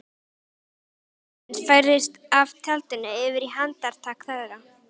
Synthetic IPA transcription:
ɛnsfajɾðɪst̪avt̪ʰɛlt̪ʏnaɪvɪɾiɦant̪aɾ̥t̪ʰaːkθɛðɾa

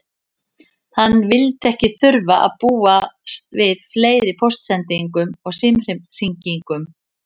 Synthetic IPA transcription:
hanːvɪlt̪ɛhcɪθʏɾvaʔa̰ðpuːast̪vɪðfleːjðɪpʰowst̪sɛnt̪iŋkʏmɔɣsɪmr̥iŋciŋkʏm

